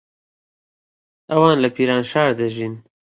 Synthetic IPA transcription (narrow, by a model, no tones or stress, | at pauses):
awɑːnlapiɾɑːnʃɑːɾd̪aʒin